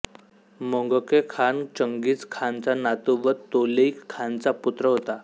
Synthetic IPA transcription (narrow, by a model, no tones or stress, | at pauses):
moŋɡəkekʰant͡ɕəŋɡiːt͡skʰant͡sanat̪uʋət̪oleikʰːant͡saput̪ɾəɦot̪a